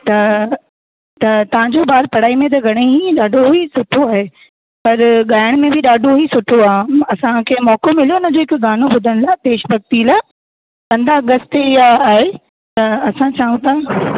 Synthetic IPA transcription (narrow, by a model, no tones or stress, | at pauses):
t̪ɐ | t̪ɐt̪ɐʋ̤ãɲd͡ʑoːɓaːɾpɐɽ̤aːimẽt̪̬ɐɡʱɐɽ̃eɦiɗaːɖʱoɦisʊʈʰoaːɦe | pɐɾɠaːjəɽ̃mẽbʱɪɗaːɖʱoisʊʈʰoaːɦẽɐsãkʰeːmɔːkomɪlijonəd͡ʑoːɪkɡaːnobʊd̪ʱəɽ̃laːt̪eːʃbɐɡ̚t̪ilaː | kɐ̃nd̪aɠəst̪eɪjaːɦe | t̪ɐɐsãt͡ɕaːɦũt̪ʰaː